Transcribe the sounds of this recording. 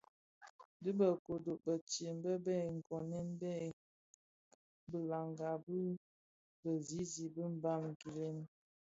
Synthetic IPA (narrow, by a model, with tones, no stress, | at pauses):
di˦bə˨ko˨do˨ʔbə˨t͡ʃe˨m˦bə˦bɛ˦˨ŋ̩˨kɔ˨nɛ˦nbɛ˦˨ | bə˨la˨ŋɡa˨bə˦ | bə˨zi˦zi˨bə˦m̩˦ba˦˨m˨ɡi˨le˦n